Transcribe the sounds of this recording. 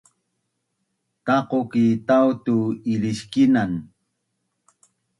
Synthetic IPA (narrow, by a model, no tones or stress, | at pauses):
t̪ɑqokit̪awt̪uɪɾɪʃkɪnaŋ